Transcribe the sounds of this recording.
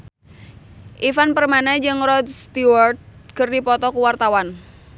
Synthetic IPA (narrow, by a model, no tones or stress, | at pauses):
ʔifanpərmanad͡ʒɨŋrɔd̪st̪iwart̪̚kɨrdipɔt̪ɔkuwart̪awan